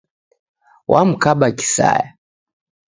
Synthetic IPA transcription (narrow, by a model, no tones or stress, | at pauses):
wʔam̩kaɓaki̥sa̰ja